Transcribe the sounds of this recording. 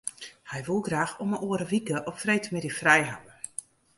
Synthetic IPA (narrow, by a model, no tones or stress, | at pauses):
hɛjʋulˠɡraːxɔməʔoːəɾəʋikəʔɔpfrejtmɪdifrɛjɦa̰və